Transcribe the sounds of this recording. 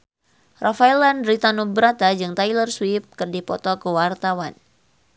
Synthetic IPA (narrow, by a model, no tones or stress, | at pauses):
rʔafaɛlanɾit̪anubɾat̪ad͡ʒɨŋt̪ajlərswif̚kɨrdipɔt̪ɔkəwart̪awan